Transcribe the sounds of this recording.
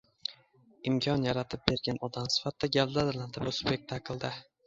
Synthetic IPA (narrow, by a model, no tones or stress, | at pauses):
ɪmkʲʰɒnjaɾat̪ʰɪp̚be̞ɾɡʲanɒd̪amsɪ̥fat̪ːaɡʲald̪ad̪land̪ɪbʊsʊpek̚t̪ʰakʰɨlˠd̪ɪ